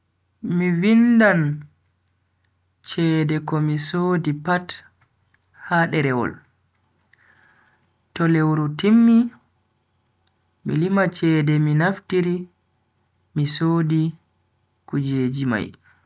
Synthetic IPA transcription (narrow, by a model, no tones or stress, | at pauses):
mivindan | t͡ʃɛːdɛkɔmisoːdipat | haɗɛɾɛwɔ̰l | tɔlewɾutimːi | mḭlimat͡ʃɛdɛminaftiɾi | misoːdi | kud͡ʒeːd͡ʒima̰j